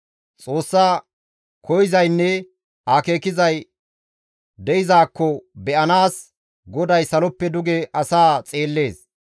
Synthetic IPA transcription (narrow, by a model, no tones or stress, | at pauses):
t͡sʼoːsːaː | kʰɔjɪzɐjnːɛ | aːke̞ːkɪzɐj | d̪ɛɪzaːkːɔbɛʔɐnaːs | ɡɔd̪ɐjsɐlɔpːɛd̪ʊɡɛʔɐsaːt͡sʼeːlːe̞ːs